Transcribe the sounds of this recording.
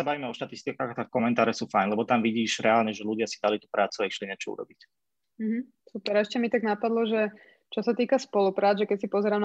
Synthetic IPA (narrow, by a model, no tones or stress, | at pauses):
abaʋiːmɛɔʃt̪at̪ist̪ikaːxat̪afkɔmɛnt̪aːɾɛsuːfajnlɛbɔt̪amʋiɟiːʃɾɛaːlɲɛʒɛluɟɪasid̪alit̪upɾaːt͡suɛʃliɲɛt͡ʃɔṵɾɔ̰bic | m̩ɦ̩ | supɛɾɛʃcɛmit̪aɡnapad̪lɔʒɛ | t͡ʃɔsat̪iːkaspɔlupɾaːd͡zʒɛkɛcsipɔzɛɾaːm